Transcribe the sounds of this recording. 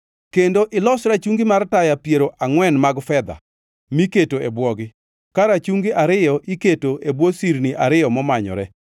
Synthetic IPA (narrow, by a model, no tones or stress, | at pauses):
kendoʔɪlɔsɾat͡ʃuŋɡimartajapjeɾoʔaŋwɛnmaɡfɛd̪a̰ | miketoebwɔɡɪ | kaɾat͡ʃuŋɡiʔaɾɪjɔʔiketoebwosiɾniʔaɾɪjɔmɔmaɲɔ̰ɾɛ